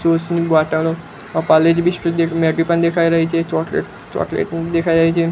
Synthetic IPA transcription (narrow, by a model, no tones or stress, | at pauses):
sosnibaʈalo | paled͡ʒbiʃʈəd̪emɛɡipənd̪ekʰajɾəɦit͡ʃʰet͡ʃɔʈlḛʈ | t͡ʃɔ̰ʈlḛʈd̪ekʰajɾəɦit͡ʃʰe